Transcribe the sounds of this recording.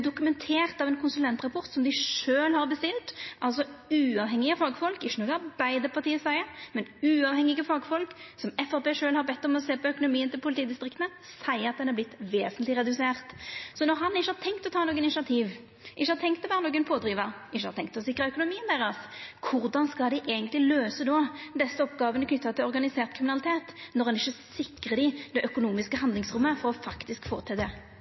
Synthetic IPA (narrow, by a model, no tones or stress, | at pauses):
d̪ʊkʉmɛnt̪ʰeːʁt̪ɑʋɛnkʰʊnsʉlɛnt̪ʁɑpʰɔʁt̪sɔmd̪ɪʂøːlhɑɾbəst̪ɪlt̪ʔɑlsɔʉːɑʋɦhɛŋːɪəfɑɡfɔlkɪʃːənɔːɡ̪ɑɾbæɪd̪əpʰɑʁt̪iːəsæɪəmɛnʉːɑʋhɛŋɪɡəfɑːɡfɔlksɔmɛfɑʁpeːʂøːlhɑɾbɛt̪ːɔmɔseːpɔœkʊnʊmiːənt̪ɪlpʰʊlɪt̪iːd̪ɪst̪ɾɪkt̪ənəsæɪəɑt̪̚d̪ɛnhɑblɪt̪ːʋeːsənlɪʁɛd̪ʉseːʁt̪sɔnɔʁɦɑnɪçːəhɑɾt̪ʰɛŋkt̪ɔt̪ʰɑːnoːɡənɪɪʃɑt̪ʰiːʋ | ʔɪʃːəhɑɾt̪ʰɛŋkt̪ːɔʋæːʁənoːɡənpʰoːd̪ʁiːʋɑʁ | ɪʃəhɑɾt̪ɛŋkt̪ɔsɪkʁəœkʊnʊmiːənd̪æʁɑskʰʊʁd̪ɑnskɑld̪ɛʔeːɡənt̪lɪløːsəd̪ɔd̪ɛsːəɔpːɡɑːʋənəkʰnʏt̪ːɑt̪ʰɪlɔɾʁɡɑnɪseːʁt̪kɾɪmɪnɑlɪt̪ʰeːt̪nɔʁɑnɪʃːəsɪkʁəd̪ɪd̪̥ɛʔœkʊnuːmɪskəhɑnd̪lɪŋsʁʊmːəfɔʁɔfɑkt̪ɪskfo̰ːʁət̪ʰɪd̪ɛ